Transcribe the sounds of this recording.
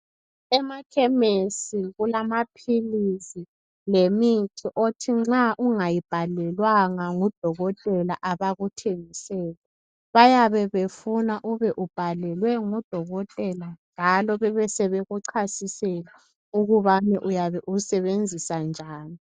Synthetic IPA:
ɛmakʰɛmesiɣulamapʰilizi | lemitʰiʔotʰiŋ͡ǁaʔuŋajib̥ʱalɛlwaŋaŋud̥ʱɔɣɔtʼɛla̰ʔaβaɣutʰeŋisɛːlɛ | βajaβɛβefunaʔuβɛʔub̥ʱalɛlwɛŋud̥ʱɔɣɔtʼɛlanʱalɔβɛβɛsɛβɛɣuǀʰasisɛla | uɣuβanɛʔujaβɛʔusɛβend͡zʱisand͡ʒʱaːni

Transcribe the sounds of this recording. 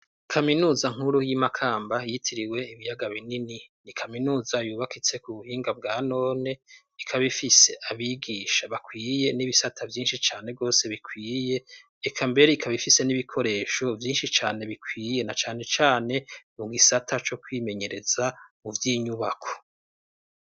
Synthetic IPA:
kʰaminuːzaŋ̥huɾujimakʰaːmbajitʰiɾiwe̞iβijaɡaβinininikʰaminuːzajuːβakit͡se̞kuβuhiːŋɡab̚ɡaːno̞ːne̞ | ikʰaβifise̞ʔaβiɡiːʃaβakwiːje̞niβisatʰavjiːnʃit͡ʃaːne̞ɡo̞ːse̞βikwiːje̞ː | kʰambe̞ɾe̞ikʰaβifise̞niβikʰo̞ɾe̞ːʃo̞vjiːnʃit͡ʃaːne̞βikʰwiːje̞nat͡ʃaːne̞t͡ʃaːne̞muɡisatʰat͡ʃo̞kwiːme̞ɲe̞ɾez̥amuvjiːɲuβakʰo̞̥

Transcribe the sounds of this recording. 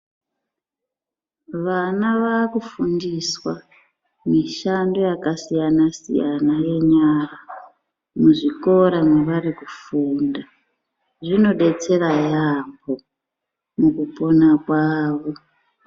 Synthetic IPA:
ʋanaʋakufundiswa | miʃando̞jakasijanasḭjanaje̞ɲara | muʐiko̞ɾamweʋarikufuːnda | ʐino̞ɗe̞t͡se̞rajambo | mukupo̞nakwaːʋo̞

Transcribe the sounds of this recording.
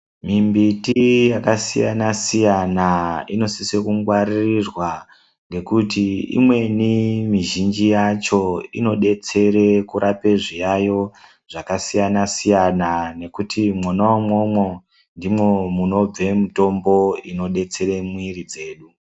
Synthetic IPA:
mimbitijakasija̰nasijanaino̞sisekuŋɡwaririrwa | ŋɡe̞kutiḭmwe̞nimiʒind͡ʒijat͡ʃo̞ḭno̞ɗe̞t͡se̞ɾe̞kuɾʔape̞ʐijajo̞ | ʐ̥akasijanasijanane̞kutʰimwonawamwomwo | ndimwe̞muno̞b͡ve̞mito̞mbo̞ino̞ɗe̞t͡se̞ɾemwiɾid͡ze̞ːɗu

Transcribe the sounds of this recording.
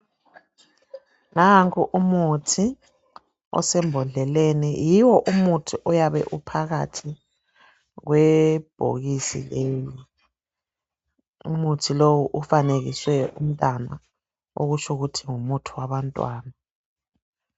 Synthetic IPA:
naŋkʰuʔumutʰi | ɔ̰sɛmbʱɔɮɛlenijiwɔʔumutʰiʔɔjaβɛ̰ʔupʰaɣa̰tʰi | ɣ̬wɛb̥ʱo̰ɣisḭleːli | ṵmutʰilowuʔufaneɣiswɛum̩tʼana̰ | o̰ɣut͡ʃʰuɣutʰiŋumutʰiwaβantʼwaːna

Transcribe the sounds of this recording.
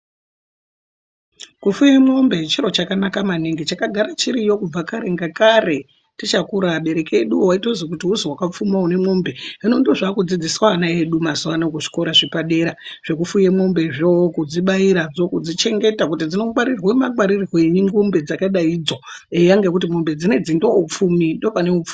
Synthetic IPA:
kufujemombe̞t͡ʃiɾo̞t͡ʃakanakamaniŋɡit͡ʃakaɡʱaɾat͡ʃiɾijo̞kub͡vakaɾe̞ŋɡakare̞ | tit͡ʃakuɾaɓe̞ɾe̞keɗuowaitozikutiɦuzowakap͡fumaune̞mombe̞inondoʐakud͡zid͡ziswaanae̞ɗumazuwanakuʐi̥ko̞ɾaʐipaɗe̞ɾaʐ̥e̞k̬ufujemombe̞ʐookud͡ziɓaiɾad͡zo̞kud͡zit͡ʃe̞ŋɡe̞takutid͡zino̞kwaɾirwemaɡwaɾiriɣoeɲiŋɡumbe̞d͡zakaɗaid͡zoejaŋɡekut̬imo̞mbe̞d͡zine̞d͡zindoup͡fumindo̞pane̞ufu̥

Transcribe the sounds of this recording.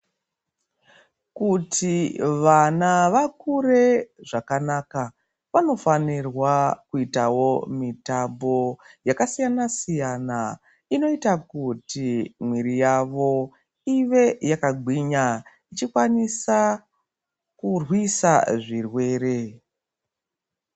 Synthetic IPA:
kutʰiʋanaʋakure̞ʐakanaːka | ʋano̞fanirwakuitawo̞mitambo̞jakasijanasijana | ino̞itakutimwiɾijaʋo̞ | iʋe̞jakaɡʱwiɲa | it͡ʃikwanisa | kurwisaʐirwe̞ːɾe̞

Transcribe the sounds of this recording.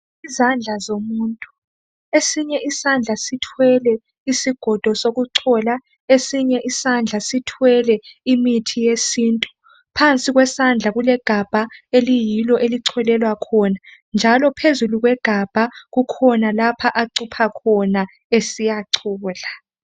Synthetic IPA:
izand͡ɮʱazomuːntʼu | esiɲɛʔisand͡ɮʱasitʰwɛlɛ | isiɡ̥ʱɔd̥ʱɔsoɣuǀʰɔla | esiɲɛʔisand͡ɮʱasitʰwɛlɛimitʰijesiːntʼu | pʰant͡sʼiɣwɛsand͡ɮʱaɣulɛɡ̥ʱab̥ʱaelijilɔʔeliǀʰɛlɛlwakʰɔnand͡ʒʱalɔpʰezuluɣwɛɡ̥ʱab̥ʱaɣukʰɔnalapʰaʔaǀupʰakʰɔna | esijaǀʰɔːla

